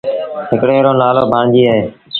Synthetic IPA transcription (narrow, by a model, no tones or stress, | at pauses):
ɦɪkɽeːɾoːnaːloːbʱaːɳd͡ʒiːaːɦeː